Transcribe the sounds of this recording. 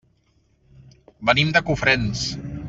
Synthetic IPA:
bənimd̪əkufɾens

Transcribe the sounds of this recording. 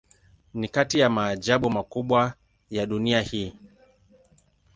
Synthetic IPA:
nikatijamaːʄaɓumakuɓwa | jaɗuniahiː

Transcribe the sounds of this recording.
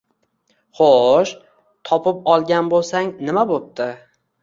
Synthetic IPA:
χoʃ | t̪ʰɒpʰɪpɒlˠɡʲanbolˠsaŋnɪmabop̚t̪ʰɪ

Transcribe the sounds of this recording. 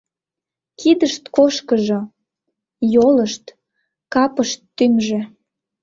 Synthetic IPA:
kid̪əʃt̪koʃkəʒo | joləʃt̪ | kɑpəʃt̪ːymʒĕ

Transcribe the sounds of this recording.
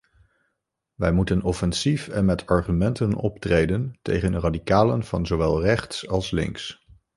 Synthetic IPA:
ʋɛjmutənɔfɛnsifɛnmɛtʰɑɹχymɛntənɔ̰ptrejdəntḛjχəndəradikaːlə̰nv̥ɑnzowʋɛlˠrɛχtsɑlˠslɪ̰ŋs

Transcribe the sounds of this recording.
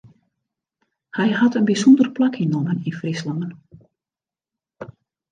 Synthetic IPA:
hɛjɦɑtənbisɔndərplakinɔməninfrislamən

